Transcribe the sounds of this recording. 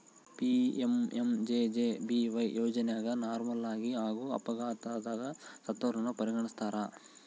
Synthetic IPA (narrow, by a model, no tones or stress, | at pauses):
piememd͡ʒed͡ʒeːbiʋɐjjoːd͡ʒɐnɛjaːɡɐnaːɾmɐlaːɡiɦaːɡuːɐ̰pɐɡaːt̪ad̪aːɡɐsɐt̪ːɐɾɐnːupɐɾiɡɐɳist̪aːɾa